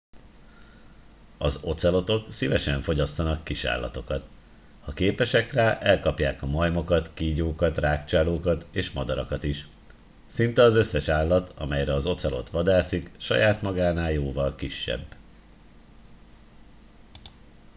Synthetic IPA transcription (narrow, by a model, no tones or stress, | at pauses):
ɒzo̞t̪sɛlo̞t̪o̞ksivɛʃɛɱfo̞ɟɒst̪ɒnɒkːiʃa̰ːlːɒ̰t̪o̞kɒt̪ | hɒkeːpɛʃɛkraːʔɛlkɒpjaːkɒmɒjmo̞kɒt̪kiːɟoːkɒt̪raːkt͡ʃaloːkɒt̪eːʃmɒd̪ɒɾɒkɒt̪iʃ | sint̪ɛɒzøsːɛʃaːlːɒt̪ʰɒ̰mɛjɾɛɒzo̞t̪sɛlo̞̰t̪ʋɒd̪aːsikʃɒ̰jaːt̪mɒɡaːnaːljoːvɒlkiʃːɛ̰bː